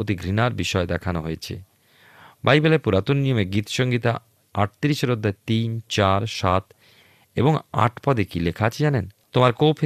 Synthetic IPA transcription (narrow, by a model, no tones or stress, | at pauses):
ot̪iɡɾinaɾbiʃɔed̪ɛkʰanoɦojet͡ɕʰḛ | bajbelapuɾat̪onːijomeɡit̪ʃoŋɡit̪a | aʈ̚t̪iɾiʃeɾod̪ːaet̪int͡ɕaɾʃat̪ | eboŋa̰ʈʰpɔd̪ekilekʰat͡ɕʰed͡ʑanent̪omaɾkowpʰe